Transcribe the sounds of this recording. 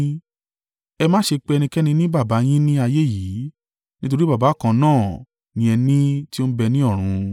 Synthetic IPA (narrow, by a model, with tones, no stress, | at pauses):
ɛ˧mãː˦ʃe˧k͡pe˧˦ɛ˧nĩ˧kɛ˦nĩ˧nĩ˦ba˦˨ba˨˦j̃ĩ˦nĩ˦a˧je˦˨ji˨˦ | nĩ˦t̬o˧ɾi˦ba˦˨ba˨˦˨kã˧nãː˦˨ | nĩ˧ɛ˧nĩ˦ti˦o˦bɛ˧nĩ˦ɔ˦˨ɾ̃ũ˧